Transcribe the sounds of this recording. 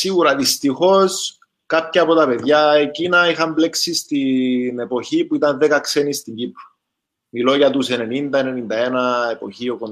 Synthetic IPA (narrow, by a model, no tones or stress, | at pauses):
siɣuɾɐðist̪ixos | kapçɐɐpot̪ɐpe̞ðʝɐecinɐixɐmble̞ksist̪ine̞po̞çipuit̪ɐnðekɐkse̞nist̪iɲɟipɾu | milo̞ʝɐt̪use̞ne̞nind̪ɐene̞nind̪ɐenɐepo̞̰çio̞kon